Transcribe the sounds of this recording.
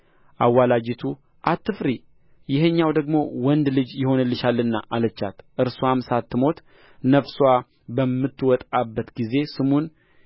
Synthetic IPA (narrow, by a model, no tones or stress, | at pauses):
ʔawːalad͡ʒit̪ʰu | ʔat̪ʰːɨfɾi | jɪhəɲːawd̪əɡmo̞wɔnd̪lɨd͡ʒjɪho̞nɨlːɨʃalːɨnːaʔalət͡ʃːa̰t̪ʔɨɾsuamsat̪ːɨmo̞t̪ | nəfswa | bəmːɨt̪ːwɔt̪ʼabːət̪ɡize̞sɨmun